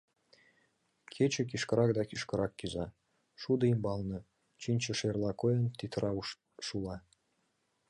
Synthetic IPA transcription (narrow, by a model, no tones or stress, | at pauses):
kʰet͡ɕĕk̬iʃkəɾɑk̚d̪ɑkiʃkə̆ɾɑkːyzɑ | ʃud̪əimbɑlnɤ̆ | t͡ɕinʲt͡ɕə̆ʃerlɑkojə̆nt̪it̪rʔɑu | ʃulɑ